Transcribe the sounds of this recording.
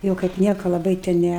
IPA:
ˈjɛʊ kɐɪp ˈnʲiɛkɐ lˠɐˈbɐɪ tʲɛ ˈnʲæ

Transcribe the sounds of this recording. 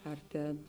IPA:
ɐr ˈtʲeːn

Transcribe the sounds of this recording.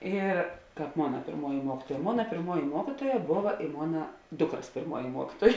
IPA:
ɪr ˈkɑːp ˈmoːnɐ pʲeːrˈmuɔjɪ ˈmuɔkʲiːtuɔjɛ ˈmoːnɐ pʲeːrˈmuɔjɪ ˈmuɔkʲiːtuɔjɛ ˈboːʋɐ ɪ ˈmoːnɐ ˈdʊkrɐs pʲeːrˈmuɔjɪ ˈmuɔkʲiːtuɔj

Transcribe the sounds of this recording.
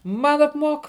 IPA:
ˈmɐn ɐpˈmuɔk

